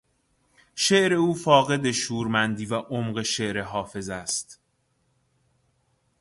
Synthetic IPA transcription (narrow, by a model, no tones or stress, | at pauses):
ʃeʔɾe̞uːfɒːɣe̞d̪e̞ʃuːɾmænd̪iːvæʔomɢe̞ʃeʔɾeɦɒːfe̞zæst̪